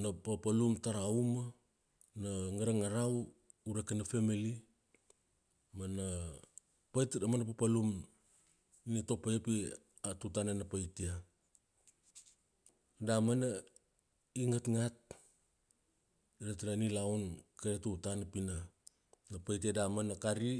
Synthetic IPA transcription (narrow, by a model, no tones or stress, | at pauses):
napapalumtaɾauma | naŋaɾaŋaɾaw | uɾekanafemili | mana | pajtdamanap̬apalum | nito̞pajapi | atutananapajtia | damana | iŋatŋat̚ | ɾatiɾanilawnkaɾetutanapina | napajtiadamanakaɾi